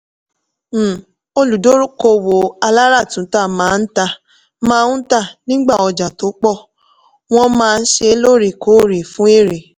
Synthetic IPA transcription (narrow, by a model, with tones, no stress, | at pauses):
m̩˦˨ | o˧lu˨do˦ɾu˦ko˧wo˨a˧la˦ɾa˦˨tũ˨˦ta˦˨mãː˨˦n̩˦ta˧ | mãː˦ũ˦ta˦˨nĩ˦ɡ͡ba˦˨ɔ˧d͡ʒa˨to˨˦k͡pɔ˦˨ | w̃ɔ̃˦mãː˦˧n̩˦ʃe˧˦lo˦˨ɾi˦˨ko˨˦˨ɾi˨fũ˦e˦˨ɾe˨